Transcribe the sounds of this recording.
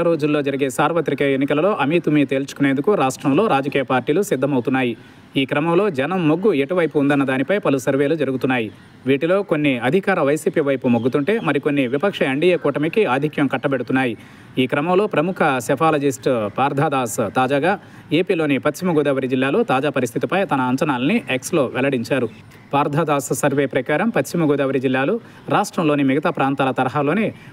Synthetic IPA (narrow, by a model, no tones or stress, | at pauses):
ɾo̞ːd͡ʒulːo̞ːd͡ʒɐɾiɡe̞ːsaːɾʋɐt̪ɾikɐenːikɐlɐlo̞ːʔɐmiːt̪umit̪e̞ːlt͡ʃu̥kuneːnd̪ukuɾaːʂʈɾɐmlo̞ːɾaːd͡ʒɐkiːjɐpaːɾʈiːlusid̪ʱːɐmɐwt̪unːaːji | iːkɾɐmɐmlo̞ːd͡ʒɐnɐmːoɡːueʈuʋɐjpuːnd̪ɐnːɐd̪aːnipɐjpɐlusɐɾʋe̞ːlud͡ʒɐɾuɡut̪unːaːji | ʋiːʈilo̞ːko̞nːiɐd̪ʱikaːɾɐʋɐjsiːpiːʋɐjpumoɡːut̪uɳʈe̞ːmɐɾiko̞nːiʋipɐkʂɐeɳɖijeːkuːʈɐmikiaːd̪ʱikjɐmkɐʈːɐbeɽut̪unːaːji | iːkɾɐmɐmlo̞ːpɾɐmukʰɐsɐpʰaːlɐd͡ʒisʈpaːɾd̪ʱaːd̪aːst̪aːd͡ʒaːɡaː | e̞ːpiːlo̞ːnipɐt̪ʃimɐɡɔːd̪aːʋɐɾid͡ʒilːaːlo̞ːt̪aːd͡ʒaːpɐɾist̪ʰit̪ipɐjt̪ɐnɐːɲt͡ʃɐnaːlɐniʔekslo̞ːʋʔɛlɐɽiɲt͡ʃaːɾu | paːɾd̪ʱaːd̪aːssɐɾʋe̞ːpɾɐkaːɾɐmpɐt̪t͡ʃimɐɡɔːd̪aːʋɐɾid͡ʒilːaːlu | ɾaːʂʈɾɐmlo̞ːnimiɡɐt̪aːpɾaːnt̪aːlɐt̪ɐɾɐɦaːlo̞ːneː